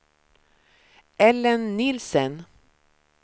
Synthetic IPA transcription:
ʔɛlːənːɪlsən

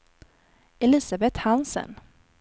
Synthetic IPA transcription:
ɛlɪːsabɛt̪hansə̰n

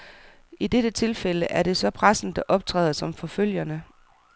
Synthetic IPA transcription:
id̥ed̥ət͡sʰe̝lfel̰əʔæɐɾ̥e̝sɒ̽pʰʁasn̩d̥ɑ̈ʔɒ̽b̥̚t͡sʰʁɛ̰ːðˠsɒ̽mfɒ̽føl̰jɐnə

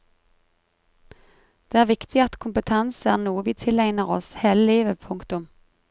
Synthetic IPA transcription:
d̪̥eːæːʁʋɪkt̪ʰɪɑt̪kʰʊmpət̪ʰɛnsæːʁnuːəʋiːt̪ʰɪlæɪnəʁɔsheːləliːʋəpʰʊŋkt̪ʊm

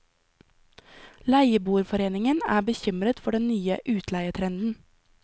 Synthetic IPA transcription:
læɪəbuːɾfɔɾeːnɪŋənæ̰ːbəçʏmɾət̪fɔɖɛnnyːə̰ʔʉːt̪ʰlæɪət̪ʰɾɛnd̪n̩

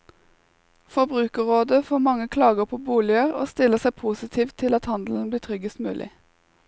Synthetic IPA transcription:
fɔbʁʉːkəʁoːd̪əfoːmɑŋəkʰlɑːɡəpʰoːbuːlɪəʁo̰ːst̪ɪləʁsæpʰuːsɪt̪ʰiːʋt̪ʰːɪlɑt̪hɑnd̪l̩n̩bliːt̪ʰʁʏɡəst̪mʉ̰ːlʔɪ̰

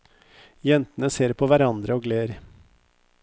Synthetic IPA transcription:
jɛnt̪ənəseːɾpʰoʋæɾɑnd̪ɾəoːɡleːɾ

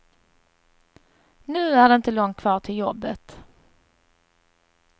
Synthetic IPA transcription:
nʉ̟ːæɖɛɪnt̪əlɔŋt̪̚kʰvɑːʈʰɪljɔbːət̪

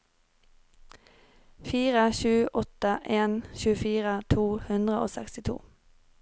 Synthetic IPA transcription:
fiːʁəçʉːʔɔt̪əʔeːnçʉːəfiːʁət̪ʰuːhʉnd̪ʁəʔo̰ːsɛ̰kst̪ɪt̪ʰṵː

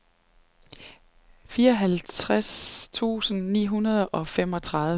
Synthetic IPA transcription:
fiːɐɒɦælt͡st͡sʰʁast͡sʰṵːsn̩nḭːɦunɐð̞ˠɒ̽fem̰ɒ̽t͡sʰʁɑ̈ðˠ

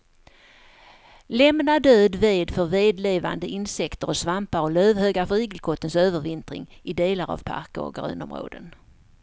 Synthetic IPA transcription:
lɛmnad̪øːd̪veːd̪fœɾveːd̪leːva̰nd̪əʔɪnsɛkt̪əɾɔsvampaɾɔløːvhøːɡafœɾiːɡəlkʰɔt̪ːənsøːvəɾvɪnt̪ɾɪ̰ŋʔɪd̪eːlaɾa̰v̥pʰa̰ɾkəɔ̰ɡɾʉ̟̰ːnɔmɾo̰ːd̪ə̰n

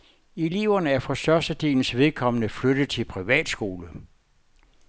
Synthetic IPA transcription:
iliːʊɐnəæɐfɒ̽sd̥ɶɐsd̥əd̥e̝̰ːln̩sʋe̝ð̞ˠkʰɒ̽mənəflød̥ð̩ˠt͡sʰe̝lpʰʁiʋɛ̰ːd̥sɡ̥o̝ːlə

